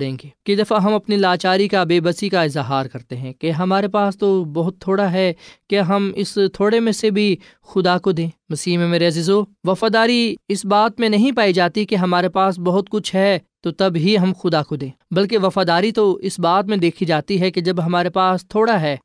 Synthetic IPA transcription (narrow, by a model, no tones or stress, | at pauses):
ɽẽːɡeːked̪ɐfaɦɐmɐpnilaːt͡ʃaːɾikabeːbɐsikaɪzɦaːɾkɐɾt̪eɦɛ̃keɦɐmaːɾepaːst̪obɐɦʊt̪ʰːoːɽaɦɛkaɦɐmɪst̪ʰoːɽemẽsebʱi | xʊd̪akod̪ẽːmɐsiːɦmẽmeːɾeɐzizoʋɐfaːd̪aːɾiɪsbaːt̪mẽnɐɦĩpaːid͡ʒaːt̪ikeɦɐmaːɾepaːs̬bɐɦʊt̪kʊt͡ʃʰɦɛt̪ot̪ɐbɦiɦɐmxʊd̪akod̪ẽːbɐlk̬eʋɐfaːd̪aːɾit̪oɪsbaːt̪mẽd̪eːkʰid͡ʒaːt̪iɦɛked͡ʒɐbɦɐmaːɾepaːst̪ʰoːɽaɦɛː